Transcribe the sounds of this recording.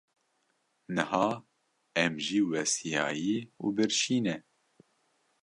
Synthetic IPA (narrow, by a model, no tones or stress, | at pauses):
nɨhɑː | ɛmʒiːwɛsijɑ̰ːjiːṵːbɨɾʃiːnɛ